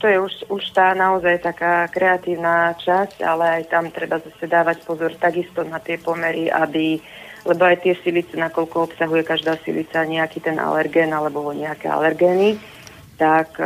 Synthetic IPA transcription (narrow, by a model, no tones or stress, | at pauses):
t̪ɔjɛuʃuʃt̪aːnaɔzajt̪akaːkɾɛat̪iːʊnaːt͡ʃasca̰lɛajt̪amt̪ɾɛbazasɛd̪aːʋacpɔzɔɾt̪aɡist̪ɔnat̪ɪɛpɔmɛɾiʔa̰bilɛbɔajt̪ɪɛsilit͡sɛnakɔlkɔɔpsaɦujɛkaʒd̪aːsḭlit͡saɲɛakiːt̪ɛnʔa̰lɛɾɡɛːnalɛbɔɲɛakɛ̰a̰lɛɾɡɛːni | t̪ak